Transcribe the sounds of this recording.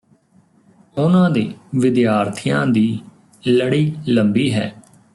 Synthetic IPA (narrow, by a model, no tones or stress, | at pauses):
ʊnãːd̪eːʋɪd̪jaːɾt̪ʰɪjã̰ːd̪iː | ləɽiːləmbiːɦɛ̰ː